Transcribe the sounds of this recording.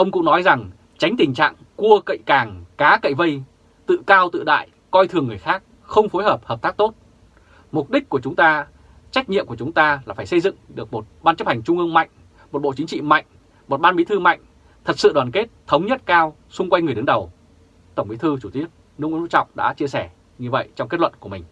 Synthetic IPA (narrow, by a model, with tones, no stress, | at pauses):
ʔə˧wŋ͡mkʊ̰˧˥ŋnɔ˨˦jza˨˩ŋ | t͡ɕa˨˦jŋ̟t̪ï˨˩ŋ̟t͡ɕa̰ː˧˨ŋku˧əkə̰˧˨jkaː˨˩ŋkaː˨˦kə̰˧˨jvə˧j | t̪ɨ̰˧˨kaː˧wt̪ɨ̰˧˨ɗa̰ː˧˨j | kɔ˧jt̪ʰɨ˨˩əŋːɨ˨˩əjxaː˦˥k̚ | xə˧wŋ͡mfo˨˦jɦəː˨˩p̚həː˨˩p̚t̪aː˦˥k̚t̪o˦˥t̚ | mʊ˨˩k͡p̚ɗï˦˥k̚ku˧˩ət͡ɕʊ˨˦ŋ͡mt̪aː˧ | t͡ɕa˦˥k̟̚ɲḭ˧əmkət͡ɕʊ˨˦ŋ͡mt̪aː˧laː˨˩faː˧˩jsə˧jzɨ̰˧˨ŋɗɨ˨˩ək̚mo˨˩t̚ɓaː˧nt͡ɕə˦˥p̚ha˨˩jŋ̟t͡ɕʊ˧ŋ͡mʔɨ˧əŋma̰˧˨jŋ̟ | mo˨˩t̚ɓo̰˧˨t͡ɕï˨˦ŋ̟t͡ɕḭ˧˨ma̰˧˨jŋ̟ | mo˨˩t̚ɓaː˧nɓi˨˦˥t̪ʰɨ˧ma̰˧˨jŋ̟ | t̪ʰə˨˩t̚sɨ̰˧˨ɗwaː˨˩nke˦˥t̚t̪ʰə˨˦wŋ͡mɲə˦˥t̚kaː˧w | sʊ˧ŋ͡mkwa˧jŋ̟ŋɨ˨˩əɗɨ˨˦ŋɗə˨˩w | t̪ə˧˩wŋ͡mʔi˨˦t̪ʰɨ˧t͡ɕu˧˩i˦˥ət̚ | nɨ˦˥ŋw̰u˧˥t͡ɕɔ̰˧˨wŋ͡mɗa̰ː˧˥t͡ɕi˧əsɛ˧˩ | ɲɨ˧və̰˧˨jt͡ɕɔ˧wŋ͡mke˦˥t̚lwə̰˧˨nku˧˩əmï˨˩ŋ̟